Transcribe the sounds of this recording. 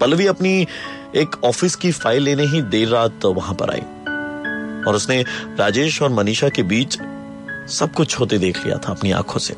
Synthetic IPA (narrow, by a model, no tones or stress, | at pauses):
pɐlʋiɐpni | eːkɔːfɪskifaːɪlːeːneɦid̪eːɾːaːt̪ʋɐɦãpɐ̰ɾʔa̰ːḭ | ɔːɾʊsneɾaːd͡ʒeːʃɔːɾmɐniːʃakebiːt͡ʃ | sɐb̚kʊt͡ʃʰɦoːt̪ed̪eːkʰlḭja̰t̪ʰaɐpnia̰ːkʰõsḛ